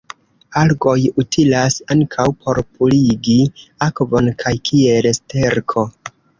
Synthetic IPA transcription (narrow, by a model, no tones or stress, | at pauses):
alɡo̞jutʰilasaŋkʰawpʰo̞ɾpuliɡiakvo̞nkʰajkʰielste̞ɾkʰo̞